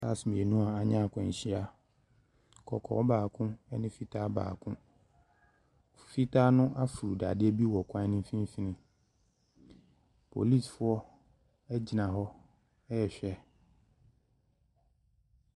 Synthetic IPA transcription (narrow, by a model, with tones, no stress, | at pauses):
sa˦˨smĩ˨e˨nũ˦a˨a˨ɲã˦˨kʷʰɛ̃˨ɕi˦a˦ | kʰɔ̰˨kʰɔ̰˨wɔ˦baː˨kʰʊ̃˦ɛ˦nɪ̃˦fi˦tʰaː˦ba̰ː˨kʰʊ̃˦˨ | fi˦tʰaː˦nʊ̃˦ʔa˦fu˨ɾu˨da˨dɪ˦ɛ˦bi˦wɔ˨kʷʰã˦nɪ̃˦m˦fĩ˦fi˦nɪ̃˨ | pʰo̰˨li˦˨sfʊ˦ɔ˦ | ɛ˦d͡ʑi˨nã˨ɦɔ˦ | ɛ˦ɛ˨ɕᶣɛ˦